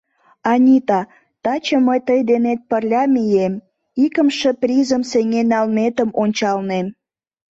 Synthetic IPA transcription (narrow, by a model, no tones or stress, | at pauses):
ɑnʲit̪ɑ | t̪ɑt͡ɕə̆məjt̪əjd̪enet̪̚pərlʲɑmijem | ikəmʃəprʲizəmseŋenɑlnet̪əmonʲt͡ɕɑlnem